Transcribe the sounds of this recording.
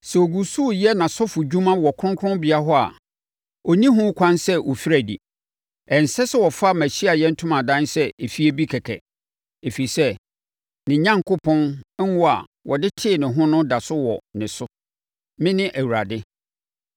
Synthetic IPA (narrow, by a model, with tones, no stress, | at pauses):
sɛ˨o˨ɡu˨su˦˨jɛ˦nã˨sɔ˦fʊ˨d͡ʑᶣũ˦mã˦wɔ˨kʰʊ̃˦ŋkʰɾʊ̃˦bɪ˨a˦ɦɔ˦a̰˨ | ɔ˨nĩ˦ɦʊ̃˦kʷʰã˦nsɛ˦ʔɔ˨fi˦ɾæ˨dḭ˨ | ɛ˨n̩˨sɛ˦sɛ˦wɔ˨fa˦mæ̃˨ɕi˦a˨jɛ˦n̩˦tʰʊ̃˦mã˨dã˦nsɛ˦e˨fi˦e˦bi˦kʰɛ˨kʰɛ˨ | e˨fi˨i˨sɛ˦ | nɪ̃˨ɲã˦ŋkʊ˦pʰɔ̃˦nɛ˦wɔ˦˨a̰˨ | wʔɔ̰˨dɪ˦tʰɪ˦˨nɪ̃˨ɦʊ̃˦nʊ̃˦da˨sʊ˦wɔ̰˨nɪ̃˨sʊ˦ | mɪ̃˦nɪ̃˦ʔæ˨wu˨ɾa˨dɪ˦